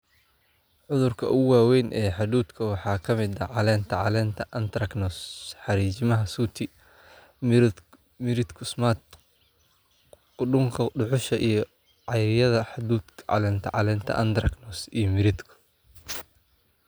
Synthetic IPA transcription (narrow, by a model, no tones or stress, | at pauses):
ʕʊðʊrkʰɐʊɣwɑːwɛjnʔɛːħɑd̪uːd̪kʰɐwɑħɑːkʰɐmɪd̪ɐʕɑlɛːnt̪ʰɐʕɑlɛːnt̪ʰɐʔɐnd̪rɐknɔsħɑɾiːt͡ʃɪmɐɦɐsuːt̪ʰɪ | m | mɪɾɪd̪kʰʊsmaːt̪ | kʊɖʊŋkʰɐɖʊʕʊʃɐʔijɞ | ʕɑjɾɪjɐðɐħɑd̪uːd̪kʰʕɑ̰lɛːnt̪ʰɐ̰ʕɑ̰lɛːnt̪ʰɐ̰ʔɐ̰nd̪ɾɐɡnɔsijɞmɪɾɪd̪kʰʊ̥